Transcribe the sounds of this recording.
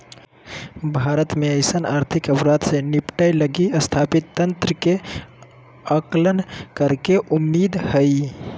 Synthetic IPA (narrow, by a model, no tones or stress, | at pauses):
bʱaɾət̪meəɪsənaɾt̪ʰikəpɾad̪senipʈajləɡiəst̪ʰapit̪ːənt̪ɾəke | əklənkəɾkeʔumːid̪həj